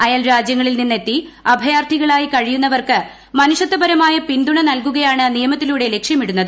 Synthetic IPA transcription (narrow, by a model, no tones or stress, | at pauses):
ɐjaːlɾaːd͡ʑjɐŋːɐɭilninːe̞t̪ːiɐbʱɐjaːrʈ̪ʰiɣɐɭaːjikɐɻijunːɐʋɐrkɨ | mɐnuʂɐt̪ːɐbɐɾɐmaːjɐpind̪uɳɐnɐlkuɣɐjaːɳɨnijɐmɐt̪ːiluːɽe̞le̞kʂjɐmiɽunːɐðɨ